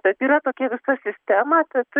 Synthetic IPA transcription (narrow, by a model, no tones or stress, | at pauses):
bʲɛt̪iːɾɐt̪oːkʲɛʋʲɪsɐsʲɪsʲt̪ʲæmɐt̪ʲɐt̪